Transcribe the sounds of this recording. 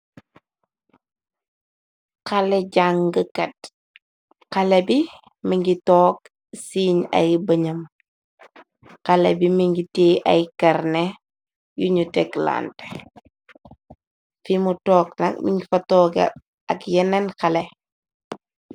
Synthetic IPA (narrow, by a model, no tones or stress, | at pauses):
kɐlɛɟaŋɡəkɐt̚ | kɐlɛbi | miŋɡitɔːk̚ | siːɲɐ̰jbɐɲɐm | kɐlɛbimiŋɡiteːʔɐ̰jkɐɾnɛ | juɲutɛkla̰ːntɛ̥ | fimutɔːk̚nɐ̰k̚mḭŋɡifɐtɔːɡɐ̰ | ɐkjɛnɐnkɐlɛ